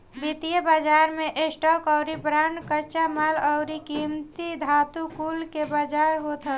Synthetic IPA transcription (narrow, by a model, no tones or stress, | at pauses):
bit̪ijəbad͡ʒaɾmeʔesʈɔkɔʊɾibɾaɳɖkət͡ʃamaləʊɾikimt̪id̪ʱaːt̪ukulkebad͡ʒaɾɦot̪ə